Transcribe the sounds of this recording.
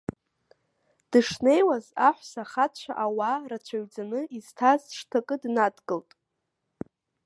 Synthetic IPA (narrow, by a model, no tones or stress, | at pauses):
d̥ɨʂne̞jwazaħʷsaχat͡ɕʷʰaʔawarat͡ɕʷʰaɥd͡zanɨʔiz̥tʰazʂtʰakʼɨdnadɡɨltʼ